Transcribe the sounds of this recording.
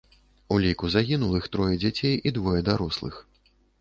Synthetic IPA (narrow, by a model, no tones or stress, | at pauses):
ulʲikuzaɣʲinulˠɨxt̪ɾɔjɛd͡zʲat͡sʲejʔid̪vɔjɛd̪aɾɔslˠɨ̰x